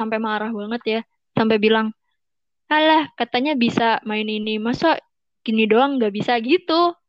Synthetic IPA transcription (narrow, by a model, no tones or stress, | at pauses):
ampemaːɾahbaŋət̪ja | sampɛbilaŋ | alahkat̪aɲabisamaɪninimasaʔ | kinidoaŋɡaʔbisaɡit̪u